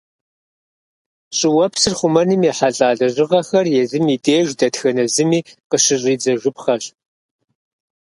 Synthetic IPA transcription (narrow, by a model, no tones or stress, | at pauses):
ɕʼɪwɐpʰsɨrχʷʊmɐnɨmeħaɬʼaːɮɐʑɪʁɐxɐrjɛzɨmiːdeːʒdɐtxɐnɐzɨmiːqəɕɪɕʼiːd͡zɐʒʷɨpχɐɕ